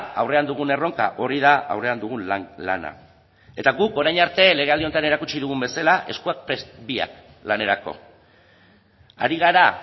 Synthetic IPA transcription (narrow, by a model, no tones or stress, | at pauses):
awre̞and̪uɣ̞une̞ro̞ŋka̰ʔo̞ɾið̞aa̰wre̞and̪uɣ̞unla̰na̰ | e̞t̪aɣuko̞ɾajɲaɾt̪e̞le̞ɣe̞ald̪io̞nt̪ane̞ɾakut͡ʃiðuɣ̞umbe̞salaʔe̞skuak̚pɾesbia̰k | lane̞ɾako̞̰ | a̰ɾiɣ̞aɾa